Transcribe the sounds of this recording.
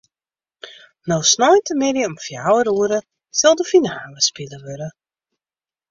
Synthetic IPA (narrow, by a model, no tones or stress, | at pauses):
nowsnɔjntəmɪɾjəɔmfjawəɾuəɾə | sɪlˠdəfinaːləspiləʋøɾə